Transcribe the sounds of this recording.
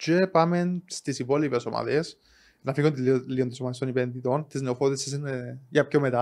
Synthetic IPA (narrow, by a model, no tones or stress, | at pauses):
t͡ʃepɐmenst̪isipo̞lipeso̞mʔɐ̰ðes | nɐfiɣunt̪ilːiot̪isomɐðest̪onipenðit̪o̞nt̪izneofoðesis̬ineʝɐpçomet̪ɐ